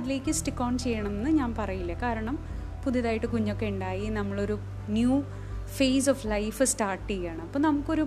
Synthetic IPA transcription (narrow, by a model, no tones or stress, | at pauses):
ɐðile̞ːkʲːɨsʈikːo̞ːɳt͡ɕe̞jːɐɳɐmenːɨɲaːnpɐrɐjilːɐkaːɾɐɳɐm | puðjiðaːjiʈːɨkuɲːo̞kːeuɳɖaːjinɐmːɐɭo̞ɾu | njuː | feːsoflɐjfɨstaːʈːiɣaːɳɨɐpːoːnɐmukːo̞ɾu